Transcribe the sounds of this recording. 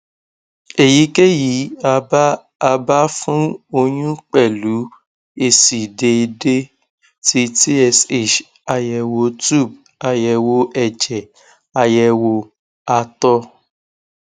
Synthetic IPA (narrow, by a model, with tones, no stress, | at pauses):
e˨ji˨˦ke˦ji˨˦a˧˦ | a˧ba˦fũ˦o˧j̃ũ˦k͡pɛ˦˨lu˨˦ | e˧si˨de˧de˦ | ti˧ti˦ɛ˧se˦˨t͡ʃ | a˧jɛ˧wo˧tu˦˨b̚ | a˧jɛ˧wo˧ɛ˦˨d͡ʒɛ˨ | a˧jɛ˧wo˧ | a˧tɔ˧